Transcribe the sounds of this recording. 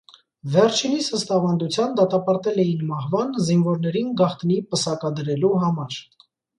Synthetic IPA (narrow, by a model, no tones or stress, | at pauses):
vɛɾt͡ʃʰinisəst̪ɑvɑnd̪ut͡sʰjɑnd̪ɑt̪ɑpɑɾt̪ɛlɛjinmɑhvɑnzinvɔɾnɛɾinɡɑχt̪nipəsɑkɑd̪əɾɛluɦɑmɑɾ